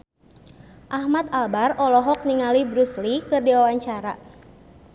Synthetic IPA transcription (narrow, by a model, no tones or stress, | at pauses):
ʔahmat̪albarɔlɔɦɔk̚niŋalibɾuslikɨrdiwawaɲt͡ʃaɾa